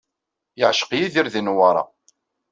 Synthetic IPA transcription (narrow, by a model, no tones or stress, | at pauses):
jəʕʃə̥qjiðiɾðinwɑɾˤɑ̰